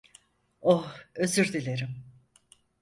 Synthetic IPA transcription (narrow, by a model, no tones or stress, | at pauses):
ohøzyɾd̪ilʲeɾim